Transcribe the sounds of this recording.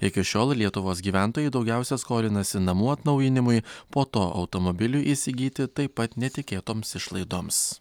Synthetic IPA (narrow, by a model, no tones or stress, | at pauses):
ɪkʲɪʃʲoːlˠlʲiɛt̪ʊʋoːsɡʲiːʋʲæˑnt̪oːjɛɪd̪ɒʊɡʲæˑʊsʲɛskoːlʲɪnɐsʲɪnɐmuːɐt̪nɐʊjɪnʲɪmʊjpoːt̪oːʔɒ̰ʊt̪omɔbʲɪlʲuʔiːsʲɪɡʲiːt̪ʲɪt̪ɐɪpːɐt̪nʲɛt̪ʲɪkʲeːt̪oːmsɪʃlˠɐɪd̪oːms